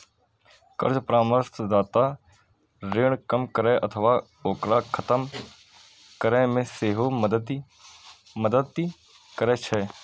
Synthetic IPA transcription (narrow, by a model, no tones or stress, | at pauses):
kə̰ɾd͡ʒpɾaːməɾt̪ʰd̪aːt̪a | ɾeːɳ̃kəmkəɾɛʔɐt̪ʰəʋaː | oːkɾaːkʰət̪əm | kəɾɛ̃mẽseːɦoəd̪əd̪ | məd̪əd̪i | kəɾɛːt͡ʃʰɛ